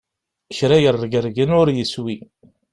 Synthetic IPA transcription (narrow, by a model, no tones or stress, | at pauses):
çɾæjərːɡəɾɡənʊɾjəswi